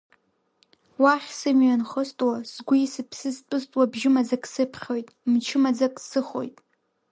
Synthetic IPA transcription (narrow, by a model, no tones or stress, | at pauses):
waχʲsɨmɥanχəstʼwasɡʷusɨpʰsɨspʼɨstʼwabʒɪmad͡zakʼsɨpʰχʲojtʼmt͡ʃʰɪmad͡zakʼsɨχo̞̰jtʼ